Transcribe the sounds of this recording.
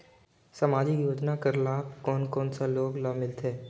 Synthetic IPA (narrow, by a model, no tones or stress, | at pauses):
səmaːd͡ʒijoːd͡ʒnakəɾlaːbkɔːnkɔːnsaloːɡlaːmɪlt̪ʰeː